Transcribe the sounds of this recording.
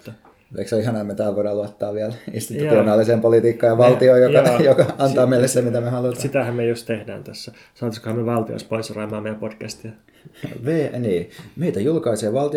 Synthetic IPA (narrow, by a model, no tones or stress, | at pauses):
ḛksoihɑnɑemmet̪æːlʋoˑiɾɑːluɑt̪ːɑːʋʋiælḭst̪it̪ut̪ionɑːlːiseːmpolit̪iːkːɑːjɑʋɑlt̪iojjoɑjokɑɑnt̪ɑːmeilːesemit̪æmehɑlut̪ɑsit̪æhæmmiejust̪t̪ehdæ̰ːnt̪æsːæ | sɑːt̪iskohæmːeʋɑlt̪io̰spoisrɑːmɑːmejæpod̥kæst̪iɑ | ʋeːniːmeit̪æjulkɑiseːʋɑlt̪i